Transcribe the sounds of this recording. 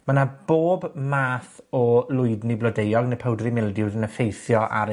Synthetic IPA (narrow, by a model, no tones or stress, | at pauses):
manab̥oːbmaːθɔlʊɨdniblɔdejɔɡnəpʰəwdrimɪlˠdɪwðənəfejθjɔʔa̰ɾə